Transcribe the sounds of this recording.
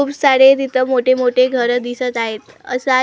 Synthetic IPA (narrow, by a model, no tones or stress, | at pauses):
uːpsaɽet̪it̪ʰəmoʈʰemoʈʰeɡʱəɾd̪isət̪aɦet̪ | ə̰səa